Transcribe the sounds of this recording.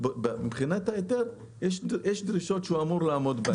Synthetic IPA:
bmibχinat̪hajet̪eʁ | jeʃdjeʃd̪ɾiʃo̞t̪ʃeuamuʁlaːmo̞d̪ba

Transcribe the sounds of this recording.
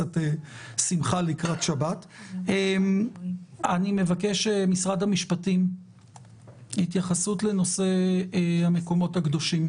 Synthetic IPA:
ate | simχalikʁatʃabatem | anime̞vakeʃemisʁadhamiʃpatim | hitjaχasutle̞no̞se̞hame̞ko̞mo̞thaɡdo̞ʃim

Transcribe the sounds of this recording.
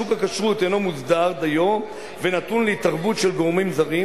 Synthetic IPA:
ukakaʃʁut̪eno̞mut͡sd̪aʁd̪ajo̞m | venat̪unleit̪aʁbut̪ʃelɡoʁmimzaʁi

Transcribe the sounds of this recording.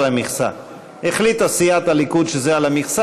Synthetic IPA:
lamiχsa̰ | eχlit̪asijat̪alikud̪ʃezealamiχsa

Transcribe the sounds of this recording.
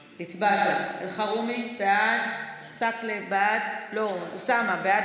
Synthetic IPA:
it͡sbat̪aelχaʁumibead | saklebeadlosamabea

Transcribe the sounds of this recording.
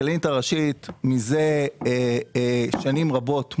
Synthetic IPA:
lintaʁaʃitmize | ʃanimʁabo̞t

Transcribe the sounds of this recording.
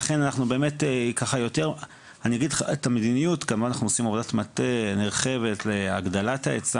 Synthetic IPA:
aχe̞nanaχnubeːme̞tekaχajo̞te̞ʁ | anijaɡid̪lχa̰etamedinijutɡamanaχnuosimovodatmateneʁχe̞ve̞tlea̰ɡd̪alataet͡sa

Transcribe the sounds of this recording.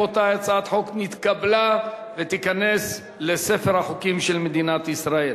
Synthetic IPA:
ot̪ajat͡saat̪ħoknit̪kablavet̪ikane̞s | lese̞feʁhaχokimʃelmed̪inat̪isʁael

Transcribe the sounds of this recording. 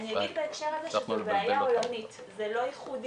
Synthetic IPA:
nijaɡɡid̪beekʃeʁazeʃezeveajaojonit | zelo̞iχud

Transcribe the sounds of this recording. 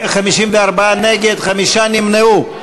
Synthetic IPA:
χamiʃimveaɾbaaneɡed̪χamiʃanimneu

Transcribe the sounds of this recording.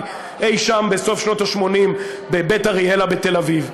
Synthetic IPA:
ʔejʃambeso̞fʃno̞taʃmo̞nim | bebetaʁielabet̪e̞laviv

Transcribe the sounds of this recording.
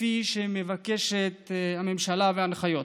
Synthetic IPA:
iʃeme̞vake̞ʃet̪hame̞mʃalaveanχajo̞t

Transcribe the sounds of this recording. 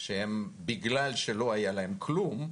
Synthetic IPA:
ʃehembiɡlalʃelo̞ajalaɦe̞mkʰlum

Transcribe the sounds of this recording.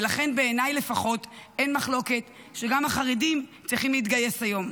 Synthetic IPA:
laχe̞nbe̞ːnajle̞faχo̞te̞nmaχlo̞ke̞t̪ | ʃe̞ɡamaχaʁidimt͡sʁiχimleit̬ɡaje̞sajo̞m

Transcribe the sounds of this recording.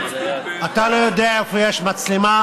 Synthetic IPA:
at̪alo̞jod̪eaefojeʃmat͡slima

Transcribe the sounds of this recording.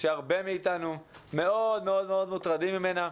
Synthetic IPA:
ʃeaʁbe̞miːt̪anume̞o̞d̪meo̞d̪meo̞d̪mut̪ʁad̪imːime̞na

